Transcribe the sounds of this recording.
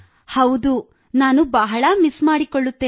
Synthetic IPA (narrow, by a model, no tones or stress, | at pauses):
hɐwd̪u | naːnubɐɦɐɭɐmismaːɽikoɭːut̪ːeː